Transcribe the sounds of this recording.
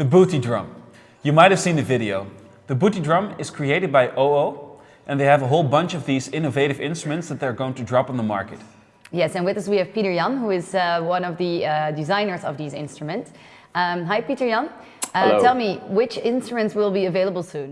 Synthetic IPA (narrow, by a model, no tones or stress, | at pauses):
ðɨbuɾidɹʌ̰̃m | jɨmaɪt̚hɨv̥sĩnðɨvɪɾioʊ | ðɨbuɾidɹʌ̃mɨz̥kʰɹ̥ieɪɾɨd̚baɪʔoʊoʊ | ʔɨ̃nðeɪɨvəɦoʊlˠbʌ̃nt͡ʃʌvðizɪ̃nɨveɪɾɨvɪ̰̃nstɹ̥əmɨ̃ntsðɨt̪̚ðə˞ɡoʊɪ̃ŋtʰɨdɹɑpn̩ðəmɑ̰ɹkɨt̚ | jɛsɨ̃nwɨðʌswiɨv̥piɾə˞jʌ̃nhuɪzʌwʌ̃nʌvðɨdɨzãɪ̃nə˞zʌ̰vðizɪ̰̃nstɹ̥əmɨ̃nts | ɦaɪpiɾə˞jʌ̃n | tʰɛlˠmiwɪt͡ʃɪ̃nstɹ̥əmɨ̃ntswɪlˠbiɨveɪlˠəbl̩ˠsũn